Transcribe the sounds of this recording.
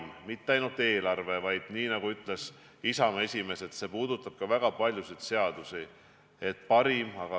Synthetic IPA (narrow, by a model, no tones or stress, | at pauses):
mmit̪ːeɑjnult̪ːˑe̞ːlɑrve̞vɑjd̪̥niːnɑɡuyt̪ːˑle̞s | isɑme̞sʲime̞se̞t̪se̞puːd̪̥ut̪ːˑɑb̥̚kɑvæɡ̥ɑpɑlʲjusid̪̥se̞ɑd̪̥usi | e̞t̪ːˑpɑɾimɑɡ̥ɑ